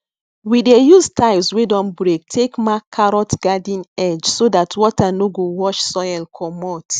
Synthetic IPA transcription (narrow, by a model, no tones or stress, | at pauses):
widejustʰaɪlswedɔ̃nbɹek̚tʰekmakʰːaɹɔtɡ̥adĩnɛd͡ʒsodatʰwɔtanoɡowɔʃsɔjɛlkʰɔmɔt